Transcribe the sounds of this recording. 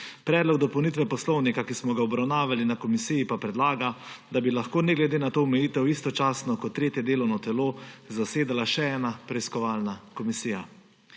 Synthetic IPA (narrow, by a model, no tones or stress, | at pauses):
pɾɛːd̪lɔɡd̪ɔpɔwnit̪ʋɛpɔslɔwnikakismɔɡaɔbɾawnaːʋalinakɔmisijipapɾɛd̪laːɡad̪abilaxkoːnɛɡlɛd̪eːnat̪oːɔmɛjiːt̪ɛwist̪ɔt͡ʃaːsnɔkɔt̪ːɾeːt̪jɛd̪eːlɔwnɔt̪ɛloːzaseːd̪alaʃɛɛːnapɾɛiskɔʋaːlnakɔmisiːja̰